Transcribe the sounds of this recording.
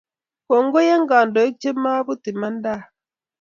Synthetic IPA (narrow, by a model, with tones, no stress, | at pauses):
ko˨ŋ˦ɡo˦je˦ŋ˦ɡa˨ndo˨i˦k̚t͡ʃe˦ma˦bu˦ti˨ma˦n˦da˦˨